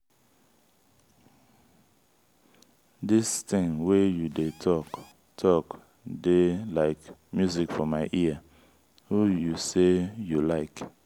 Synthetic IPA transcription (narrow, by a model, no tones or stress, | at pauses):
distɪ̃ŋwejudetʰɔk | tʰɔk | delaɪkmjuzikfɔmaɪʔia | hujusejulaɪk